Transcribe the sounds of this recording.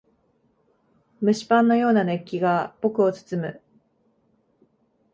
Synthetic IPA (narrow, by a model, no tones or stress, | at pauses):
mɯ̟ɕi̥pãnːo̞jo̞ːnane̞kʲːiɡabo̞kɯ̟o̞t͡sɨ̥t͡sɨmɯ̟